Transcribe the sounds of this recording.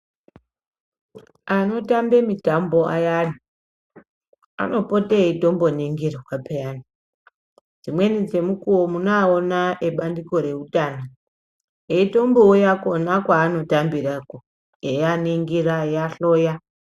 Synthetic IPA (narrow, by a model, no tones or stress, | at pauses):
ano̞tambemitambo̞ʔa̰jani | a̰no̞po̞teito̞mbo̞neŋɡirawapeani | d͡zimwe̞nid͡ze̞mukuwomunaonaʔeɓandiko̞ɾe̞utaːno | eito̞mboujako̞nakwaːno̞tambirako | ejaneŋɡirajaɬo̞ːja